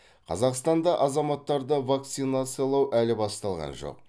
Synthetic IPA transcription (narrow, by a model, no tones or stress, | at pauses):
qʰɑ̰zɑqst̪ɑnd̪ɑʔɑzɑmɑt̪ːɑɾd̪əvak̚t̪sijnat̪sɨjlˠɑwʔælɪbɑst̪ɑlˠʁɑ̰nʒo̰q̚